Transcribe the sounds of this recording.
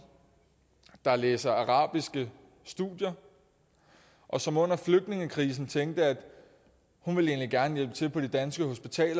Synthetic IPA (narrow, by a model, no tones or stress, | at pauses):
d̥ɑ̈leːsɐɑʁɑ̰̈ːb̥isɡ̥ə | sd̥ṵdˠjɐ | ʔɒ̽sɒ̽mɔ̽n̰ɐfløɡ̥̚d̥ne̝ŋəkʰʁiːs̬n̩t͡sʰeŋ̰ɡ̥̚d̥əæd̥ | hunʋe̝le̝ːnliɡ̥æɐnəjel̰b̥ə̥t͡sʰe̝lpʰɒ̽d̥id̥ænsɡ̥əho̝sb̥it͡sʰɛ̰ːlɐ